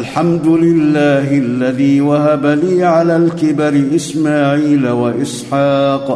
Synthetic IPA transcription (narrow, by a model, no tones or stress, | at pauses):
lħamd̪ʊlɪlːaːɦɪʔalːaðiːwahabaliːʕalaːlkɪbaɾɪʔɪsmaːʕiːlawaʔɪsˤħɑːq